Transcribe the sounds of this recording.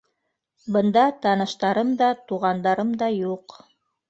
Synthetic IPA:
bɤ̆nd̪ɑt̪ɑnɤ̆ʃt̪ɑɾɤmd̪ɑt̪uʁɑnd̪ɑɾɤmd̪ɑjuq

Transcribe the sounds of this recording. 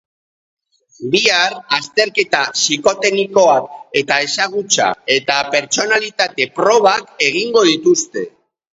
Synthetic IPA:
biaɾast̪e̞ɾke̞t̪asiko̞t̪e̞niko̞ake̞t̪ae̞saɣ̞ut͡sa̰e̞t̪ape̞ɾt͡ʃo̞nalit̪at̪e̞pɾo̞β̞ake̞ɣ̞iŋɡo̞ðit̪ust̪e̞

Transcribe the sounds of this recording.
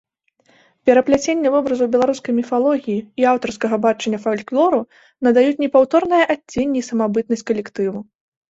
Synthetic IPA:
pʲɛɾɐplʲat͡sʲenʲːɐvɔbɾɐzubʲɛlˠaɾuskɐjmʲifalˠɔɣʲijiiawt̪ɐrskɐɣɐbat͡ʂɐnʲːɐfalʲklˠɔɾu | nɐd̪ajut͡sʲnʲɛpawt̪ɔrnɨjɐʔatʲːenʲːiisɐmabɨt̪̚nɐsʲt͡sʲkɐlʲɛkt̪ɨvu

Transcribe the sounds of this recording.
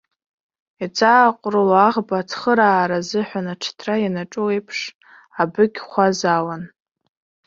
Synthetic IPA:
it͡sʼaːqʷʼralaʁbatʰχəɾaːɾazɨħʷᶣanaʈ͡ʂʰtʰrajanaʈ͡ʂʼoejpʰʂ | abɨɡʲχʷazawan

